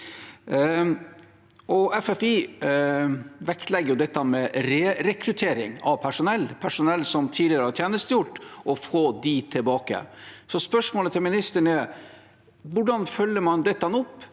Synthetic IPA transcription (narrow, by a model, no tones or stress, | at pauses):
ʔɔʔɛfɛfi | ʋɛkt̪lɛɡːəjʊd̪ɛt̪ːɑmɛɾeːɾɛkɾʉt̪ʰeːɾɪ̰ŋɑ̰ʋpʰæʂʊnɛlːpʰæʂʊnɛlːsɔmt̪ʰiːlɪəɾəhɑɾʈ̪ʰjeæːnəst̪əjʊʈːʔɔfoːd̪it̪ʰɪlbɑːkə̰sɔspœʂmoːlət̪ʰɪlmɪnɪst̪əɳə | ʋʊɖɑnfœlːəmɑnd̪ɛt̪ːɑnʊpː